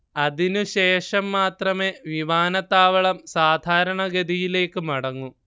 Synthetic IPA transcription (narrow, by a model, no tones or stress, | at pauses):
ɐðinuɕe̞ːʂɐmːaːt̪rɐme̞ːʋiʋaːnɐt̪ːaːʋɐɭɐmsaːd̪ʱaːɾɐɳɐɡɐd̪ijile̞ːkːɨmɐɽɐŋːu